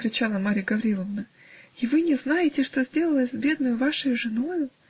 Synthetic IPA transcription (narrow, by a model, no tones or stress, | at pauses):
kɾʲɪt͡ɕalˠəmaɾʲɪɡəvɐɾʲilˠəvnə | ivɨnʲɪznajɪtʲɪʂt̪o̞zʲdʲe̞lˠəlˠəsʲzbʲe̞d̪nəjʊvaʂəjʊʐɨno̞jʊ